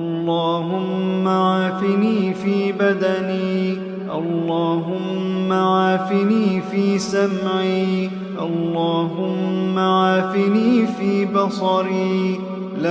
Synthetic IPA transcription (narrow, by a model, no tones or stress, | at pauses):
ʔɑlːɑːɦʊmːaʕaːfɪniːfiːbad̪aniː | ʔɑlːɑːɦʊmː | aʕaːfɪniːfiːsamʕiː | ʔɑlːɑːɦʊmːaʕaːfɪniːfiːbɑsˤɑɾiː | la